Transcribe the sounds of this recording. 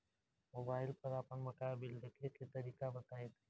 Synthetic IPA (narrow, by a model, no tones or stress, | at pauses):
moːbaːɪlpəɾaːpənmɐkaːbɪld̪ekʰeket̪əɾiːkabət̪aːet̪eː